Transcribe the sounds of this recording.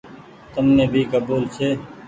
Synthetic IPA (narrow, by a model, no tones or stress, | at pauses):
t̪əmneːbʱiːkəbuːlsʰeː